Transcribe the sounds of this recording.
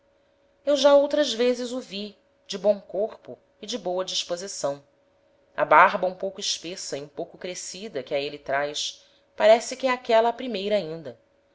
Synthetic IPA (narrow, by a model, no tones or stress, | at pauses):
ewʒaowt̪ɾɐzvezɪzovi | d͡ʒɪbõw̃koχpʊ | ɪd͡ʒɪbowɐd͡ʒiʃpozisɐ̃w̃ | ɐ̰baɦbɐũpowkʊɪʃpesɐiũpowkʊkɾesid̪ɐkɪaelɪt̪ɾajs | paɾɛsɪkʲɪɛakɛlɐːpɾimejɾɐaːĩnd̪ɐ